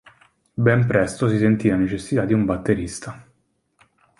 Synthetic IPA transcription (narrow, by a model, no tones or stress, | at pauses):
bɛmpɾɛst̪osisent̪iːanet͡ʃesːit̪ad̪ːiumbat̪ːeɾist̪a